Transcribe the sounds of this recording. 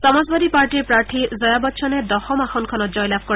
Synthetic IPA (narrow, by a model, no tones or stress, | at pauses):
sɔmazbad̪ipaɹʈiɾpɾaɹt̪ʰizɔjabɔtːʃʰɔned̪ɔxɔmaxɔnkʰɔnɔt̪̚d͡ʒɔjlab̚ʰʱkɔ